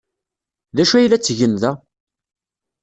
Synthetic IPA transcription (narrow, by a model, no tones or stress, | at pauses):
ðæʃuæjlæt͡sːʝənðæ